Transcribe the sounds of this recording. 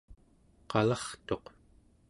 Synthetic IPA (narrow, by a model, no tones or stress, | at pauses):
qɑlɑχt̪o̞q